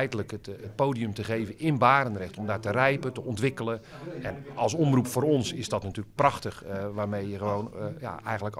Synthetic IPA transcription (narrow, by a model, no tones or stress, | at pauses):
ɛjdələkətpowdijɵmtəχejvənɪnbaːɾənrɛχtɔmdaːɹtərɛjpətəʔɔntʋɪkələɛnɑlˠsɔmrupfʊːɾɔnsɪsdɔtnatyːlək̚prɑxtəχʋaːɹmejjəχəʋownja̰ɛjxənlək